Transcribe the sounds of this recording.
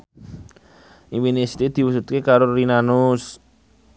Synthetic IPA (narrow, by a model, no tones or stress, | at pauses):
ʔiwinesi̥t̪ed̪̥i̤wusut̪̚kekaɾoɾinanʊs